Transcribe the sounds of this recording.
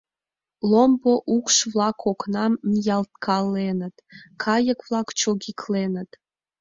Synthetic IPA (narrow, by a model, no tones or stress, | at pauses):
lˠomboʔukʃvlɑkʰoknɑmmijɑlt̪̚kʰɑlːenə̆t̪kʰɑjə̆kvlˠɑkt͡ɕoɣʲikʰlenə̆t̪